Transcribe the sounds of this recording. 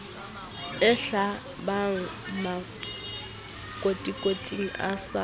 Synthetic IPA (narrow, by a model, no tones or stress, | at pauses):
ɪɬa | baŋ̩ | ma | kʼotʼikʼotʼiŋ̩ʔa̰sa